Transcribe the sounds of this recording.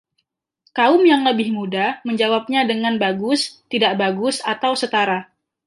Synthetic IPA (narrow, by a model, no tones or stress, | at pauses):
kaʊmjaŋləbɪhmudaməɲd͡ʒawap̚ɲadəŋanbaɡʊst̪idaʔbaɡʊsat̪awsət̪aɾa